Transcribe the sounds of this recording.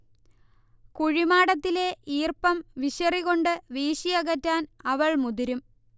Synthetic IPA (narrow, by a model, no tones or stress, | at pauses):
kuɻimaːɽɐt̪ːile̞iːrpɐmʋiɕɐriɣo̞ɳɖɨʋiːɕijɐɣɐtːaːnɐʋɐɭmud̪uɾum